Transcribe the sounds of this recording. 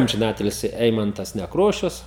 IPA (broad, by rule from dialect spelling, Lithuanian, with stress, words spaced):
ɐmʲʒʲɪˈnɑːtʲɪlʲsʲɪ ˈɛɪmɐntɐs nʲɛkˈroːʃʲʊs